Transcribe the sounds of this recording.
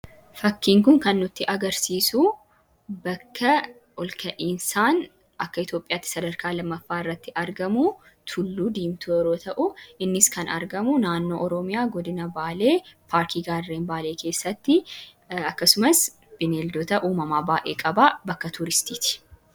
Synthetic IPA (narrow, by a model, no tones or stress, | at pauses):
fɐkːiːŋkʊŋkɐnːʊt̪ːɪʔɐɡɐɾsiːsu | bɐkːɐ | ɔlkʰɐʔiːnsaːn | ʔɐkːɐɪt̪jo̞ːpʼɪjaːt̪ːɪ̥sɐd̪ɐɾkaːlɐmːɐfːaːɪrːɐt̪ːɪʔɐɾɡɐmu | t̪ʰʊlːuːd̪iːmt̪ʊɛɾoːt̪ɐʔʊɪnːɪskɐnɐ̰ɾɡɐmʊnaːnːo̞ːʔɔɾɔmɪjaːɡɔd̪ɪnɐbaːle̞ːpʰaːɾkiːɡaːrːeːnbaːle̞ːkʰe̞ːsːɐt̪ːɪ | ɐkːɐsʊmɐs | b̥ɪneːld̪ɔt̪ɐʔuːmɐmaːbaːʔeːkʼɐbaːbɐkːɐt̪ʊɾɪst̪iːt̪ɪ̥